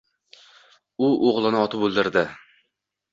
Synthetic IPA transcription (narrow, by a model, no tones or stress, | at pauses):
ʊʔoʁlˠɪnɪɒt̪ʰɪpolˠd̪ɪɾd̪ɪ